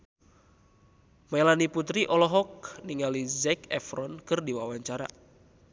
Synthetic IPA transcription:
mɛlaniput̪ɾiʔɔlɔɦɔk̚niŋalizɛkɛfɾɔnkɨrdiwawaɲt͡ʃaɾa̰

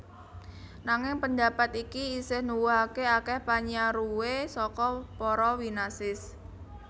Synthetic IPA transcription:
naŋɪŋpənd̪a̤pat̪ikiːsɪhnuwuɦakeakɛhpaɲaɾuwesɔkɔpɔɾɔwinasɪs

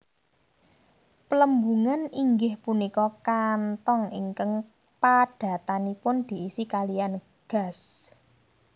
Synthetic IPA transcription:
pələmbuŋaniŋɡɪhpunikɔkant̪ɔŋiŋkəŋ | paɖ̥a̤t̪anipʊnd̪̥i̤isikalijan | ɡ̥a̤s

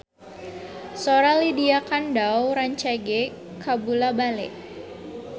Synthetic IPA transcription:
soɾalidiakandawɾaɲt͡ʃaɡɛ | kabulabalɛ̰ʔ

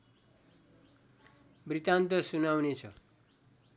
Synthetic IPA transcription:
brit̪ant̪ʌsunawnet͡sʰʌ̰

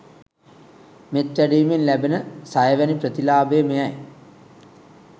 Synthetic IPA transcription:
met̪ɾæɖiːminlæbenəsajəʋænipɾət̪ilaːbeːmejaj

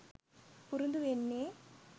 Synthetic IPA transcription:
puɾund̪uʋenːeː

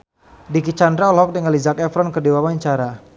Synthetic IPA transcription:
dikit͡ʃandɾaɔlɦɔk̚dəŋalizakɛfɾɔnkərdiwawaɲt͡ʃaɾa

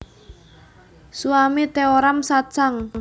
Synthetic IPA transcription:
suamit̪eoɾamsat͡ʃaŋ

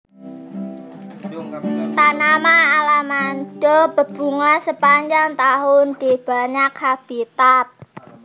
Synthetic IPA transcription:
t̪anamaalamanɖ̥ɔb̥ə̤b̥ṳŋasəpaɲd͡ʒaŋt̪aɦʊnd̪̥ib̥a̤ɲakhab̥it̪at̪̚

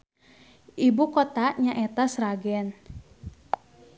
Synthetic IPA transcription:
ʔibukɔt̪aɲaʔɛt̪asɾaɡɛn

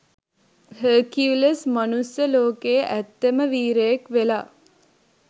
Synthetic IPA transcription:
həːkiuləsmɐnusjəloːkeːʔæt̪ːeməʋiːɾəjekʋelaː

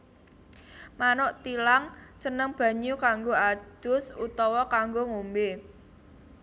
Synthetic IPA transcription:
manʊʔt̪ilaŋsənəŋb̥ä̤ɲukaŋɡoad̪̥ʊ̤sut̪ɔwɔkaŋɡoŋombe

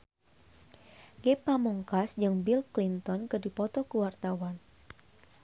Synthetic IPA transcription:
ɡepamɔŋkasd͡ʒɨŋbilklint̪ɔnkɨdipɔt̪ɔkəwart̪awan

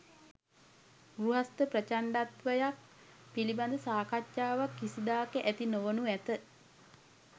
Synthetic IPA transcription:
ɡruɦast̪əprət͡ʃaɳɖat̪ʋəjak̚ | piliband̪əsaːkatjaːʋakːisid̪aːkəʔæt̪inoʋənuæt̪ə

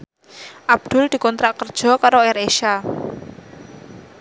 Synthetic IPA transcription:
ʔab̚d̪̥ʊ̤ld̪̥i̤kɔnt̪ɾaʔkərd̥ʒ̥ɔ̤kaɾoɛɾeʃa

